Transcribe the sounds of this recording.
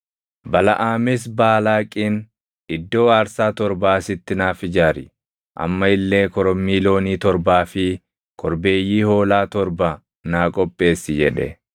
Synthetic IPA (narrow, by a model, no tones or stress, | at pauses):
bɐlɐ̰ʔaːmɪs̬baːlaːkʼiːn | ɪd̪ːo̞ːaːɾsaːt̪ɔɾbaːsɪt̪ːɪnaːfɪd͡ʒaːɾɪ | ʔɐ̰mːɐɪlːe̞ːkɔɾɔmːiːlo̞ːniːt̪ɔɾbaːfɪ | kʰɔɾbe̞ːjːiːho̞ːlaːt̪ɔɾba | naːkʼɔpʼːe̞ːsːɪd͡ʒɛᶑɛ̰